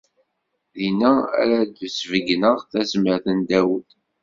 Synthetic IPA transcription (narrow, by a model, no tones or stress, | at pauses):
ðinææ̰ɾæd̪əsvəɡnəʁθæzməɾθənd̪æwəθ